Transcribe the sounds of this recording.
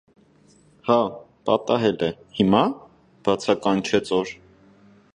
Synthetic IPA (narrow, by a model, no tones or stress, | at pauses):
hɑ | pɑt̪ɑɦɛlɛhimɑ | b̥ɑt͡sʰɑkɑnt͡ʃʰɛt͡sɔɾ